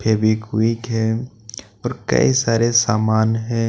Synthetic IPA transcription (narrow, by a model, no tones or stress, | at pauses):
pʰeːbikuikɦɛ | ɔːɾkɐ̰isaːɾesaːmaːnɦɛ̃ː